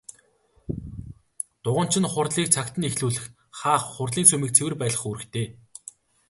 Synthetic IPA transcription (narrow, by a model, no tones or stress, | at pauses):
t̪ʊʁə̆n̥t͡ɕʰɪ̆nχʊrɮiːk̚t͡sʰakt̪ə̆nexɮuːɮɘ̆x | χaːχːʊrɮiːnsumĭːk̚t͡sʰewɘ̆rpæːɮə̆χuɾɘ̆kt̪ʰeː